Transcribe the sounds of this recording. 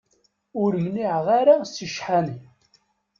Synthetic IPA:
ʊɾʝniʕʁaɾasəʃħani

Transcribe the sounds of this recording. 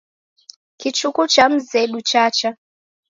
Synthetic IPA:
kit͡ʃukut͡ʃam̩zɛɗut͡ʃat͡ʃa

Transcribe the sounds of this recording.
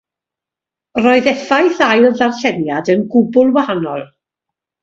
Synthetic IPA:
rɔɨðɛfajθajlˠðarɬɛnjadənɡʊbʊlˠwahanɔ̰lˠ

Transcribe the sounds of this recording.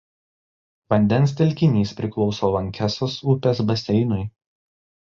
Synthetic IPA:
ʋɐnʲd̪ʲɛnˑsʲt̪ʲɛlʲkʲɪnʲiːspʲɾʲɪklˠɒʊsoːʋɐŋʲkʲæsoːsʊpʲeːsbɐsʲɛɪnʊɪ

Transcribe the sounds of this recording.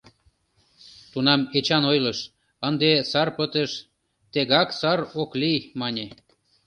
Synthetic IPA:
t̪unɑmet͡ɕɑnojləʃ | ənd̪esɑrpət̪əʃ | t̪eɣɑksɑɾoklimɑnʲe

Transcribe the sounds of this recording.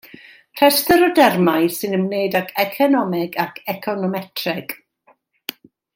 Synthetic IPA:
pʰrɛstəɾɔdɛrmajsɨnəmneɨdakʰɛkʰɔnɔmɪɡakʰɛkʰɔnɔmɛtʰrɛɡ̥

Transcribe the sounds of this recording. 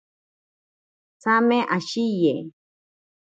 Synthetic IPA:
t͡sameʔaʃije

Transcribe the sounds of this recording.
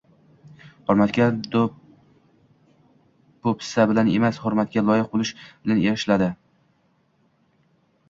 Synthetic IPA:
hʊɾmat̪kʲad̪o | bopɪ̥sabɪlanemashʊɾmat̪̚kʲalˠɒjɪq̚bolˠɪʃbɪlaneɾɪʃlad̪ɪ

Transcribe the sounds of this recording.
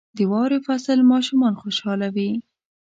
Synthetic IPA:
d̪əwɑwɾefasəlmɑʃumɑnxoʃɑlawi

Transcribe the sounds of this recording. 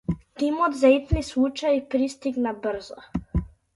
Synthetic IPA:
t̪imɔd̪zait̪nislˠut͡ʃajipɾist̪iɡnabr̩zɔ

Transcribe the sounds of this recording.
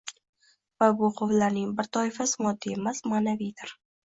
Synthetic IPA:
vabʊqʰovlaɾnɪŋbɪɾt̪ʰɒɪfasɪmɒd̪ːiemasmanavijd̪ɪɾ

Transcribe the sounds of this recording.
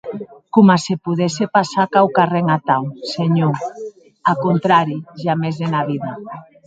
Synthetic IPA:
kumasepuðɛsepasakawkareŋat̪awseɲo | akont̪ɾaɾiʒamezðenaβiða

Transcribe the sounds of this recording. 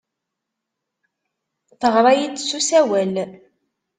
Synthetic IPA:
θəʁɾˤɑjit͡sːsusæwæl

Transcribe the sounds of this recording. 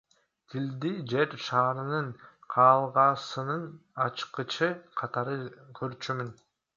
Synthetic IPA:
t̪ʰild̪id͡ʒe̞ɾʃɑːɾɯnɯnqʰɑːlˠʁɑsɯnɯnɑt͡ʃqɯt͡ʃʰɯqʰɑt̪ɑɾɯkʰøɾt͡ʃymyn

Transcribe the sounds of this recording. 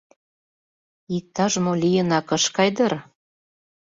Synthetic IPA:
ik̚t̪ɑʒmolʲijə̆nɑkɤ̆ʃkɑjd̪ɤr

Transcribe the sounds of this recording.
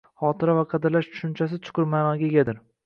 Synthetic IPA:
χɒːt̪ʰɪɾavaqʰɑd̪ɪɾlaʃt͡ʃʰʊ̥ʃʊnt͡ʃʰas̬ɪt͡ʃʰʊ̥qʰɨɾmaːnɒɡʲaɡʲad̪ɪɾ

